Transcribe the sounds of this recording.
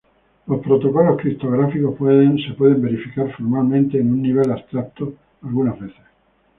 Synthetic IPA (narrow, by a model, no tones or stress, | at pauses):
lo̞spɾot̪o̞ko̞lo̞skɾip̚t̪oɣ̞ɾafiko̞hpweðẽnse̞pwe̞ð̞e̞mbe̞ɾifikaɾfoɾmalmẽnt̪eːnũnːiβ̞e̞last̪ɾak̚t̪o | alɣunazβe̞θe̥s